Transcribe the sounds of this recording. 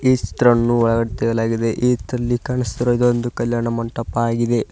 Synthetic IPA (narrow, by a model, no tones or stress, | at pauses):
iːt͡ʃt̪ɾɐnːuʋɐɭɐɡɐɽit̪eːjɐlaːɡid̪e̞ʔiːt̪ɾɐlːikaːɳist̪iɾoid̪ond̪ukɐljaːɳɐmɐɳʈːɐpːaːɡid̪e̞